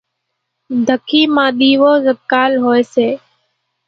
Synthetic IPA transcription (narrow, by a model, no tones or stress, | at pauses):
d̪ʱəkʰiːmãːɗiːʋoːzəkkaːlɦoːeːseː